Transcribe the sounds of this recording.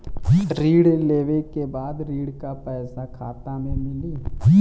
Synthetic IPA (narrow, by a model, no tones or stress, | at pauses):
ɾiːɽleːʋekebaːd̪ɾiːɽkapɛːsakʰaːt̪amẽmɪliː